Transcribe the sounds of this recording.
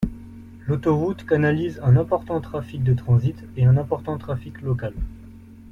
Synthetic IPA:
lot̪ɔʁut̪kanalizɛ̃nɛ̃pɔʁt̪ɑ̃t̪χafik̚d̪ət̪χɑ̃zit̪eɛ̃nɛ̃pɔʁt̪ɑ̃t̪χafiklɔkal

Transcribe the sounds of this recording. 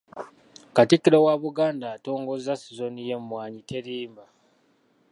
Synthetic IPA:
katikːiɾowaβuɡaːndaːto̞ːŋɡo̞zasizonijemwaːɲite̞ɾiːmba

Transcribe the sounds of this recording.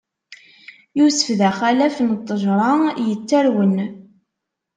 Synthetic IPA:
jusə̥fðæχælæfənt̪ˤːəʒɾˤɑjət͡sːæɾwən

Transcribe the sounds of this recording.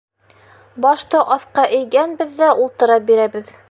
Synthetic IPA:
bɑʃt̪ɤʔɑθqɑʔɘ̆jɡænbɘ̆ðːæʔulˠt̪ɤ̆ɾɑp̚biɾæbɘð

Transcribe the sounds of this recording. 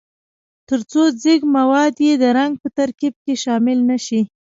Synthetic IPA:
t̪əɾt͡sod͡ziɡmawɑd̪jed̪əɾaŋɡ̚pət̪aɾkib̚keʃɑmɪlnaʃi

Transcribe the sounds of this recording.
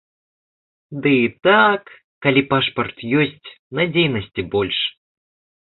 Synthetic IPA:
d̪ɨit̪akː | alʲipaʂpɐrt̪jɔsʲt͡sʲ | nɐd͡zʲejnɐsʲt͡sʲibɔlʲʂ

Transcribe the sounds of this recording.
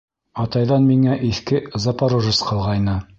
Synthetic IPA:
ɑt̪ɑjðɑnmiŋæʔiθkɘzɑpaɾuʒɤsqɤ̆lˠʁɑjnɤ

